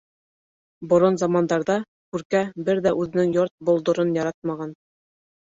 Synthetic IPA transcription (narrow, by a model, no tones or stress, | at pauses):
bŏɾonzɑmɑnd̪ɑɾðɑ | kʉɾkæbɘɾðæʔʉðɘ̆nɘŋjoɾt̪̚bŏlˠd̪ŏɾɤnjɑɾɑt̪̚mɑʁɑn